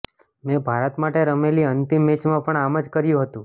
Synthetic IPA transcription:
mɛ̃bʱaɾət̪maʈeɾəmeliənt̪imːet͡ʃmãpəɳaməd͡ʒkəɾjũɦət̪ũ

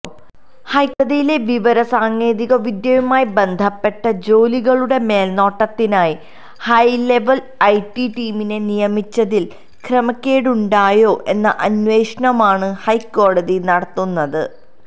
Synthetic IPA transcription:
hɐjkɐðijile̞ʋiʋɐɾɐsaːŋe̞ːðiɣɐʋid̪jɐjumaːjibe̞nd̪ʱɐpːe̞ʈːɐd͡ʑo̞ːliɣɐɭuɽe̞me̞ːlno̞ːʈːɐt̪ːinaːji | hɐjle̞ʋɐl | ɐjʈiʈiːmine̞nijɐmit͡ɕːɐðil | krɐmɐkʲːeːɽuɳɖaːjo̞ːʔe̞nːɐʔɐnʋe̞ːʂɐɳɐmaːɳɨhɐjkːo̞ːɽɐðinɐɽɐt̪ːunːɐðɨ̰

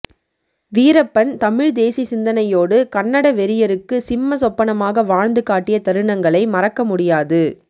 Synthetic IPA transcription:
ʋiːɾɐpːɐnt̪ɐmɪɻd̪eːsisɪnd̪ɐnɐjoːɽɯkɐnːɐɽɐʋɛɾɪjɐɾɯkːɯsɪmːɐs̬ɔpːɐɳɐmaːɣɐʋaːɻnd̪ɯkaːʈːɪjɐt̪ɐɾɯɳɐŋɡɐɭɐɪmɐrɐkːɐmʊɽɪjaːðɯ

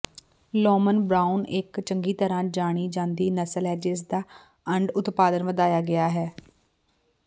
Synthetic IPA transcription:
loːmənbɾaːʊnɪkt͡ʃəŋɡiːt̪əɾãːd͡ʒaːɽ̃iːd͡ʒãːnd̪iːnəsəlɦɛːd͡ʒɪs̬d̪aː | əɳɖʊt̪paːd̪ənʋəd̪aːjaːɡɪaːɦɛː

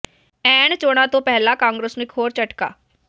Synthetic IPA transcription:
ɛːɳt͡ʃoːɽ̃ãːt̪õːpɛɦlãːkãːŋɡɾəsnũːɪkʰɦoːɾt͡ʃəʈka̰ː

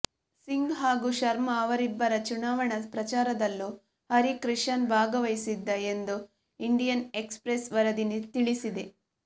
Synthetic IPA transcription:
siŋɡɦaːɡuːʃɐɾmɐːʋɐɾibːɐɾɐt͡ʃunaːʋɐɳɐpɾɐt͡ʃaːɾɐd̪ɐlːu | hɐɾikɾiʂɐnbʱaːɡɐʋɐjsid̪ːɐe̞nd̪u | iɳɖijɐnekspɾesʋɐɾɐd̪init̪iɭisid̪e

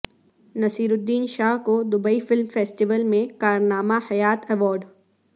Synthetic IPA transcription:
nɐsiːɾʊd̪ːiːnʃaːɦkod̪ʊbəifɪlmfeːsʈɪʋəlmẽkaːɾnaːmahɐjaːt̪ʰɛʋɔːɾɖ

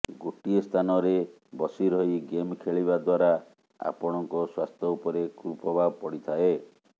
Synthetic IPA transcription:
ɡoʈiest̪ʰanɔɾe | bɔsiɾɔiɡemkʰeɭibad̪waɾa | a̰pɔɽ̃ɔŋkɔswast̪ʰɔupɔɾekɾupɔbapɔɽit̪ʰae

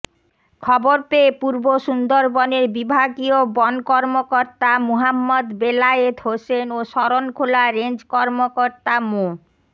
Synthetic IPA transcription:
kʰɔboɾpeːpuɾboʃund̪oɾbɔneɾbibʱaɡiobɔnkɔɾmokoɾt̪amoɦamːod̪belaet̪ɦosenoʃɔɾonkʰolaɾend͡ʑkɔɾmokoɾt̪amo

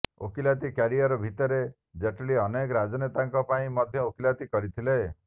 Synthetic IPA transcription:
o̰kilat̪ikaɾiɔɾɔbʱit̪ɔɾe | d͡ʒeʈɭiɔnekɔɾad͡ʒɔnet̪aŋkɔpaĩmɔd̪ʱjɔokilat̪ikɔɾit̪ʰile

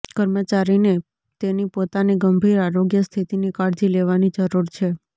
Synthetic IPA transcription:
kəɾmət͡ʃaɾine | t̪enipot̪aniɡəmbʱiɾaɾoɡjəst̪ʰit̪inikaɽd͡ʒileʋanid͡ʒəɾuɾt͡ʃʰe

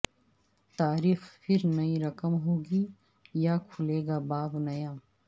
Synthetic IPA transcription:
t̪aːɾiːxpʰɪɾnɐĩɾɐkəmɦoːɡi | jakʰʊleːɡabaːbnɐjãː

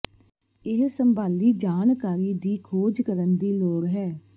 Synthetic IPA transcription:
ɪɦsəmbaːliːd͡ʒaːnkaːɾiːd̪iːkʰoːd͡ʒkəɾənd̪iːloːɽɦɛː

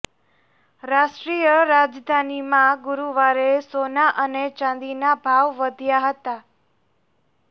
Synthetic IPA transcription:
ɾaʃʈɾijəɾad͡ʒd̪ʱanimãɡuɾuʋaɾesonaʔənet͡ʃãnd̪inabʱaʋːəd̪ʱjaɦət̪a

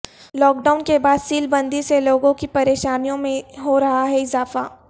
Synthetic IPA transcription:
lɔːk̚ɖaːʊnkebaːd̪siːlbɐ̃nd̪iseloːɡõkipɐɾeːʃaːnijõmẽɦoɾɐɦaɦɛɪzaːfaː

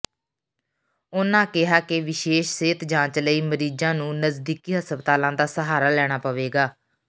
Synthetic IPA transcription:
ʊnãːkɪɦaːkɪʋɪʃeːʃseːt̪d͡ʒãːt͡ʃləiːməɾiːd͡ʒãːnũːnəzd̪iːkiːɦəspət̪aːlãːd̪aːsəɦaːɾaːlɛːɽ̃aːpəʋeːɡaː

